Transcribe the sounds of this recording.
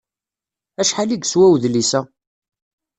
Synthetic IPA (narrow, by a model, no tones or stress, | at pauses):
æʃħaliɡswæwðlisæ